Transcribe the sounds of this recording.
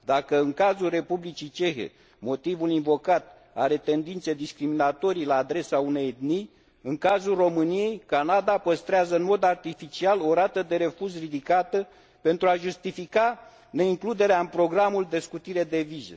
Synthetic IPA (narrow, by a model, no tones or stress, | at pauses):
d̪akəɨŋkazulre̞publit͡ʃit͡ʃe̞xe̞̰ | mo̞t̪ivulinvo̞kat̪ | a̰ɾe̞t̪e̞nd̪int̪se̞d̪iskɾiminat̪o̞ɾijlaːd̪ɾe̞saune̞jd̪ni | ɨŋkazulro̞mɨnije̞jkanad̪apəst̪ɾeazəɨnmo̞d̪art̪ifit͡ʃialo̞ɾat̪əd̪e̞ɾe̞fuʒrid̪ikat̪ə | pe̞nt̪ɾuaʒust̪ifika | ne̞iŋklud̪e̞ɾeaɨnpɾo̞ɡɾamuld̪e̞skut̪iɾe̞d̪e̞vizḛ